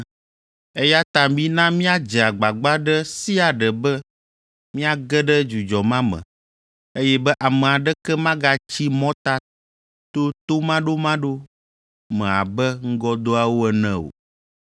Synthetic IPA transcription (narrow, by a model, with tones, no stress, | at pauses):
e˦ja˦t̪ã˨mĩ˦nã˦mĩ˦a˦d͡ʒɛ˨a˨ɡ͡ba˨ɡ͡ba˦ɖɛ˦si˦a˨ɖɛ˨bɛ˦ | mĩ˦a˦˨ɡɛ˦ɖɛ˦d͡ʒu˨d͡ʒɔ˨mã˦mɛ̰̃˨ | e˦jɛ˦bɛ˦ʔa˨mɛ̃˨a˨ɖɛ˦kɛ˦mã˦ɡa˨t͡ɕi˦mɔ̃˦t̪a˦ | t̪o˦t̪o˦mã˦ɖo˦mã˦ɖo˦ | mɛ̃˨a̰˨bɛ˦ŋ̩˦ɡɔ˦d̪o˦a˨wo˦ɛ˨nɛ̃˦o̰˨